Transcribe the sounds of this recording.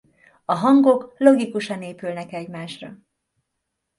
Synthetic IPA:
ɒɦɒŋɡo̞klo̞ɡikuʃɒneːpylnɛkɛɟmaːʃrɒ

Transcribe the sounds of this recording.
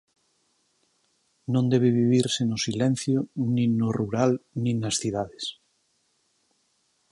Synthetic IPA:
nõnd̪eβ̞eβiβ̞iɾsenosilẽn̟θjonĩnoruɾalnĩnasθiðaðes

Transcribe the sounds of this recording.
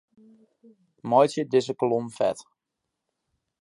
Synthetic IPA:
mɔjtjədɪzəkəlomfɛ̰t

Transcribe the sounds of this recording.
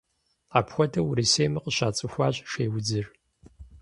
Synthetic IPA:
aːpxʷɔtʰɐwɾiseːmɐqəɕaːt͡sʼɨxʷɑːɕʼʃeːwʊd͡zɨr

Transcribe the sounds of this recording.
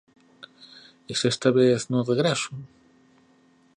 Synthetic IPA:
esest̪aβeθnõðeɣɾaso

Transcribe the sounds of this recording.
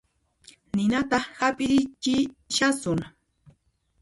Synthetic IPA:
nɪnat̪ɑχhapʼɪɾɪt͡ʃɪʃasʊŋ

